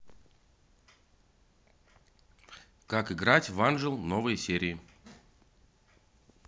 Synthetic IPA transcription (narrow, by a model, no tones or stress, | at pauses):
kakɨɡɾatʲvanʐɨlˠnovɨjsʲeɾʲɪːɪ